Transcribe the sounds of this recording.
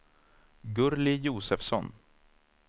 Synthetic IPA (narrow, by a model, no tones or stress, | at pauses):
ɡɵɾlɪjuːsɛfsɔn